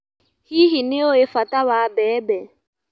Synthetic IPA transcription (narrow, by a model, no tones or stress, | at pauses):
hiɦineoefatawabɛːbɛ